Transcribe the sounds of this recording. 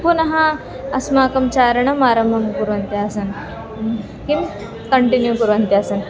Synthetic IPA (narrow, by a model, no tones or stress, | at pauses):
punɦã | ɐsmakɐmt͡ɕaɾɳɐmaɾɐmbʱɐmkuɾuɐnt̪eɐsən | kim | kəɳʈinjukuɾənt̪easən